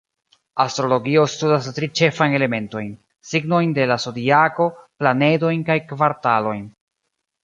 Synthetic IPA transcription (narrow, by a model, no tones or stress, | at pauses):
astɾo̞lo̞ɡio̞studastɾit͡ʃe̞fajne̞le̞me̞nto̞jn | siɡno̞jnde̞laso̞diako̞plane̞do̞jnkajkvaɾtalo̞jn